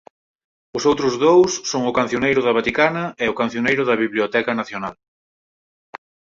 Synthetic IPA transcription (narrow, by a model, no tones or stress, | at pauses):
ʊsowt̪ɾʊzðowsːoŋʊkanθjonejɾʊðɐβat̪ikanɐɛʊkan̟θjonejɾʊðɐβiβliot̪ɛkɐnaθjonal